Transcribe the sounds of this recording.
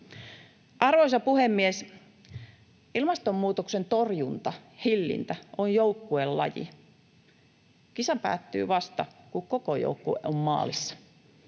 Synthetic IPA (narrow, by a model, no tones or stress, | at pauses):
ʔɑrʋojsɑpuhemːies | ilmɑst̪omːuːt̪oksent̪orjunt̪ɑhilːḭnt̪æonjoukːuelːɑ̰jḭ | kisɑpæ̰ːt̪ːy̰ːʋɑst̪ɑkukkokojo̰ukːuommɑ̰ːlisːɑ̥